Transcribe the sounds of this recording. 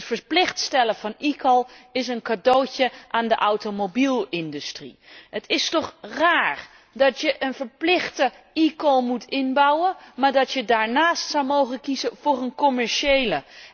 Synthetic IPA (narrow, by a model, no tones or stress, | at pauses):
tfəɹplɪχtstɛləvɑnikəlˠɪsənkadowcəʔaːndəʔɑwtomobilˠɪndystrḭɦətʰɪstɔχraːɹ | dɑtjəʔənvəɹplɪχtə | ikɔlˠmutʰɪnbʌwənmaːɹdɑtjədaːɹnaːstsʌwmowχəkizəv̥ʊːrənkɔmɛɹʃejlə